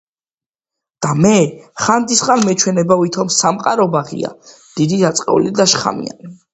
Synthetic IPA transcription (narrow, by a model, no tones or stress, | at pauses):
d̪̥amɛχand̪isχʼanmɛt͡ʃʰwɛnɛbavit̪ʰɔmsamqʼaɾɔbaʁḭa̰ | d̪̥id̪id̪at̪sʼqʼɛ̰ṵlid̪aʃχa̰mḭa̰ni